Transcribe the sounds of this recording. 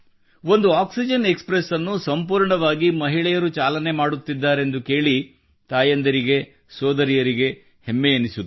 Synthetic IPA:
o̞nd̪uaːksid͡ʒɐne̞kspɾesɐnːusɐmpuːɾɳɐʋaːɡimɐɦiɭɛjɐɾut͡ʃaːlɐne̞maːɽut̪ːid̪ːaːɾe̞nd̪uke̞ːɭi | t̪aːjɐnd̪ɐɾiɡe̞ | sɔːd̪ɐɾijɐɾiɡe̞ | hemːɛjɐnisu

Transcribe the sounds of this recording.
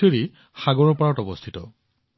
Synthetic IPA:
eɹi | xaɡɔɹɔɹpɔɹɔtɔbɔst̪ʰitɔ

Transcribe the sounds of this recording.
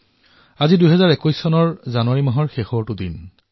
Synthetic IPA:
azidujɦɛzaɹekujsːɔnɔɹzanʊwaɹimɔɦɔɹxexɔtʊdin

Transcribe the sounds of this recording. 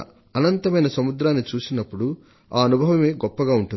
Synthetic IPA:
ɐnɐnt̪ɐmɐjnɐsɐmud̪ɾaːnːit͡ʃuːsinɐpːuɽu | aːɐnubʱɐʋɐme̞ːɡɔpːɐɡaːuɳʈun

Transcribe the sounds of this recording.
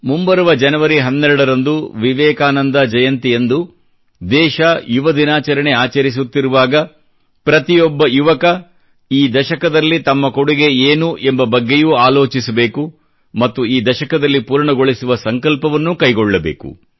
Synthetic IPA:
mumbɐɾɐʋɐd͡ʒɐnɐʋɐɾiɦɐnːɛɾɐɽɐɾɐnd̪uʋiʋɛːkaːnɐnd̪ɐd͡ʒɐjɐnt̪ijend̪u | d̪ɛːʃɐjuʋɐd̪inaːt͡ʃɐɾɐɳe̞aːt͡ʃɐɾis̬ut̪ːiɾuʋaːɡɐ | pɾɐt̪ijɔbːɐjuʋɐkɐ | iːd̪ɐʃɐkɐd̪ɐlːit̪ɐmːɐkoɽuɡe̞eːnuʔembɐbɐɡːe̞juːaːlo̞ːt͡ʃisɐbe̞ːku | mɐt̪ːuiːd̪ɐʃɐkɐd̪ɐlːipuːɾɳɐɡo̞ɭisuʋɐsɐŋkɐlpɐʋɐnːukɐjɡoɭːɐbḛːkṵ

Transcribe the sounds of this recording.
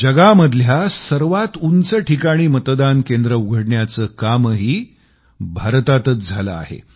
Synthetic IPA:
d͡ʑəɡaməd̪ʱljasəɾʋat̪unt͡səʈʰikaɽ̃iːmət̪d̪ankend̪ɾəuɡʱəɽɳjat͡səːkamɦiː | bʱaɾt̪at̪ət͡sd͡zʱalə̰a̰ɦḛ

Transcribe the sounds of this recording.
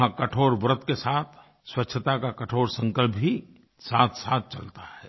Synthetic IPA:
ãkəʈʰoːɾbɾət̪kesaːt̪ʰ | swətːʃʰət̪akakəʈʰoːɾsə̃ŋkəlpbʱi | saːt̪ʰsaːt̪̚ʰt͡ʃə̰lt̪ahɛː

